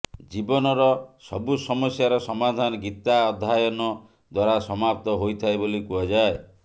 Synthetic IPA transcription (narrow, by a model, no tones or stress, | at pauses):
d͡ʒibɔnɔɾɔsɔ̰busɔmɔsjaɾɔsɔmad̪ʱanɔɡit̪aɔd̪ʱːajɔnɔ | d̪waɾasɔmap̚t̪ɔɦojt̪ʰaebolikuad͡ʒae